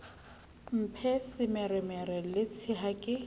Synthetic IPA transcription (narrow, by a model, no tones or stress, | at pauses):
m̩pʰɛsɪmɛrɛmɛɾɛlɪt͡sʰiɦakʼɪ